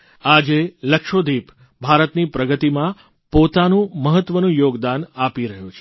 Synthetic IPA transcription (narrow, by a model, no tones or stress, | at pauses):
ad͡ʒeləkʃod̪ip | bʱaɾət̪nipɾəɡət̪imã | pot̪anũməɦət̪ːʋənũjoɡd̪anapiɾəɦjũt͡ʃʰe̥